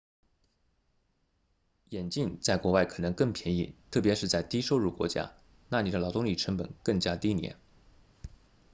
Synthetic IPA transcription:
jɛ˨˩nt͡ɕi˥˧ŋt͡sa˥˩ɪkwɔ˧˥wa˥˩ɪkʰɤ˨˩nɤ˧˥ŋkɤ˥˩ŋpʰjɛ˧˥nḭ˥˩t̪ʰɤ˥˩p̬jɛ˧˥ʂɻ̩˥˧t͡sa˥˩ɪt̪i˥ʂo˥˧ʊɻu˥˩kwɔ̰˧˥t͡ɕja̰˥ | na˥˩ni˨˩d̪ə˧lɑ˨˥ʊt̪ʊ˥ŋli˨˩ʈ͡ʂʰə˧˥ŋpə̰˨˩nkɤ˥˩ŋt͡ɕja˥t̪i˥njɛ̰˧˥n

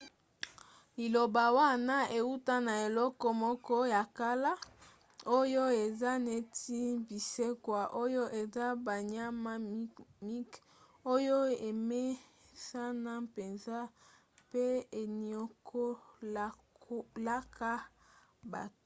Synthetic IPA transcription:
i˨lo˨ba˨wa˦na˦e˨u˦ta˦na˨e˨lɔ˦kɔ˦mɔ˦kɔ˦ja˨ka˦la˦ | o˦jo˦e˨za˦ne˦˨ti˦bi˨se˦kwa˨ʔo˦jo˦ʔe˨za˦ba˨ɲa˦ma˦mi˦k | o˦jo˦e˨me˦sa˦na˦pe˨nza˦ | pe˦e˨ni˨o˦kʰo˦ | la˦kʰa˦ | ba̰˨t

